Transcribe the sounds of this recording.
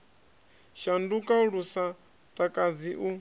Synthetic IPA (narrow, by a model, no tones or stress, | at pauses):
ʃandukʼauɺusa | tʼakʼad͡ziʔu